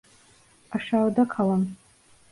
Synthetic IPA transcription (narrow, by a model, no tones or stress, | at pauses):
aʂaːrdakʰalan